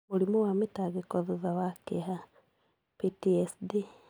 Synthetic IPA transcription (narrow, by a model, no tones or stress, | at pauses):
moɾimowametaɣekɔðuðawakeɦa | pitiɛsdi